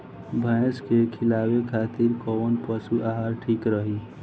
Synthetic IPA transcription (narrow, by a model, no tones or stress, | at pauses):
bʱə̃skekʰɪlaːwekʰaːt̪iɾkɔnpəsuʔaɦaɾʈʰiːkɾəɦi